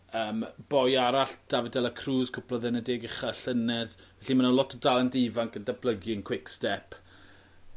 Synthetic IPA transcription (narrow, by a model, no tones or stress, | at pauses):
əːmb̥ɔjaɾaɬd̥avədɛlˠəkʰruːzkʰʊpʰlɔðɛnədeːɡɪχaɬənɛð | vɛɬimanalˠɔtʰɔdalˠɛndivaŋk̚ɡ̥əndabləɡiənkʰw̥ɪkstɛpʰ